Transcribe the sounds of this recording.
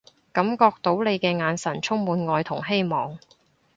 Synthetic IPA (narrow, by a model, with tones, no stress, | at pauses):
kɐ˨˥mkɔː˧k̚t̪o˨˥wle˨˧jkɛː˧ŋaː˨˧nsɐ˨˩nt͡ʃʰʊ˥ŋ̚muː˨˧nŋɔː˧jt̪ʰʊ˨˩ŋɦe˥jmɔː˨ŋ